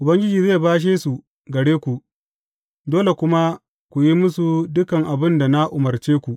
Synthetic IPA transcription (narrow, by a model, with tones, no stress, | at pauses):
ʔʊ˨bɐ˦ŋɡʲɪ˦d͡ʒiː˨zeː˦˨baː˦ʃ̬eː˦su˨ | ɡɐ˨ɽeː˦kʷu˨ʔ | doː˦le˨kʷʊ˦ma˦ | kʷu˨ji˦mʊ˦su˨dʊ˦kɐ˨ŋʔa˨bɪ˦nda˨na˦ʔʊ˨mɐ˨rt͡ʃeː˦kʷu˨ʔ